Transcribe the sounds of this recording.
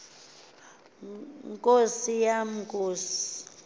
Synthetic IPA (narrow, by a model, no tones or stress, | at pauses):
ŋkʼosijam̩kʼoːsi̥